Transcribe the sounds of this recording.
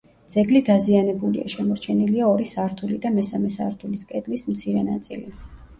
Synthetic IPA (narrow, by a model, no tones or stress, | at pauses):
d̪z̥ɛɡlid̪azianɛbulḭa̰ʃɛmɔɾt͡ʃʰɛniliaɔɾisaɾt̪ʰulid̪amɛsamɛsa̰ɾt̪ʰuliskʼɛd̪lismt̪sʰiɾɛna̰t̪sʼḭli